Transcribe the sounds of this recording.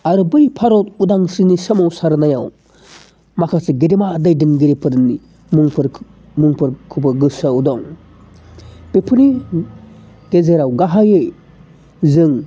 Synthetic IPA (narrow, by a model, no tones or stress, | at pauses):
aɾɯbɯjpʰaɾɔtudaŋsinisɐmawsaɾnajaw | makʰaseɡedemadajdinɡiɾipʰɯdɯnːi | muŋpʰɾ | muŋpʰɯɾkʰubɯɡɯsaudɔŋ | pepʰɯni | ɡezeɾawɡaɦajej | zɯŋ